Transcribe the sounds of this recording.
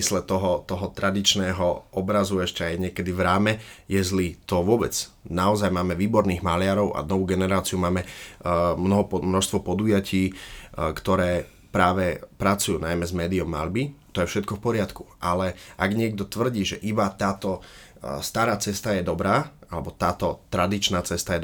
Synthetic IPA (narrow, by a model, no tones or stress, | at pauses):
islɛt̪ɔɦɔt̪ɔɦɔt̪ɾad̪it͡ʃnɛːɦɔʔɔbɾazuɛʃcɛajɲɪɛkɛd̪ivɾaːmɛjɛzlit̪ɔʋʊɔbɛd͡znaɔzajmaːmɛʋiːbɔɾniːɣmalɪaɾɔʊʔa̰nɔʋuːɡɛnɛɾaːt͡siumaːmɛ | mnɔɦɔmnɔʃst̪ʋɔpɔd̪ujaciːkt̪ɔɾɛː | pɾaːʋɛpɾat͡sujuːnajmɛzmɛːd̪iɔmːa̰ʎbit̪ɔjɛfʃɛt̪kɔfpɔɾɪat̪ku̥ʔalɛʔaɡɲɪɛɡ̚d̪ɔt̪ʋr̩ɟiːʒɛʔibat̪aːt̪ɔ | st̪aːɾaːt͡sɛst̪ajɛd̪ɔbɾaːalɛbɔt̪aːt̪ɔt̪ɾad̪it͡ʃnaːt͡sɛst̪ajɛ